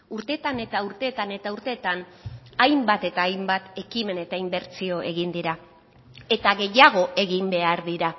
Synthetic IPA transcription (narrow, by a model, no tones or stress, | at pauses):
uɾt̪e̞ːt̪ane̞t̪auɾt̪e̞ːt̪ane̞t̪auɾt̪e̞ːt̪an | ajmbat̪e̞t̪aːjmbat̪e̞kime̞ne̞t̪aimbe̞ɾt͡sio̞ʔe̞̰ɣind̪iɾa | e̞t̪aɣe̞jaɣ̞o̞ʔe̞ɣimbe̞aɾðiɾa